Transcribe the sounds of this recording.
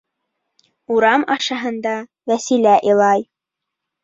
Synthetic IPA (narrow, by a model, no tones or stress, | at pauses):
uɾɑmɑʃɑɦɤ̆nd̪ɑ | wæsilæʔilˠɑj